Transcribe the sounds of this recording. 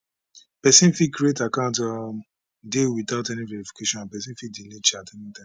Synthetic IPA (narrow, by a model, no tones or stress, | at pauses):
pɛsĩnfikɹietakãʊ̃nta | dewitaʊtɛnivɛɹifi̥kʰeʃɔ̃nãnpɛsĩnfidinet͡ʃiatɛkĩtã